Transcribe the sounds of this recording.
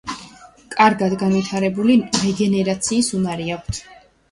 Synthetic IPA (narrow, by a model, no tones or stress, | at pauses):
kʼaɾɡad̪ɡanvit̪ʰaɾɛbuliɾɛɡɛnɛɾat̪sʰiːsunaɾiak̚ʷʰt̪ʰ